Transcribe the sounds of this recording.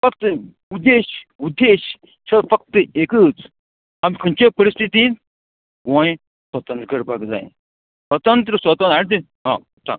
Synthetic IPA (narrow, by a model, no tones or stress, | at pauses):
fɐkt̪ | ud̪eːʃud̪eːɕ | t͡ʃʰɐfɐk̚t̪ɨeːkɨt͡s | ɐmkʰɐnt͡ʃepɐɾist̪ʰit̪in | ɡõː | swɐt̪ɐnt̪ɾkɐɾbʱaːɡd͡za̰ːḭ | swɐt̪ɐnt̪̬ɾəswɐt̪ɐnɐɽt̪i | ɦã̰ː | ʈʰa̰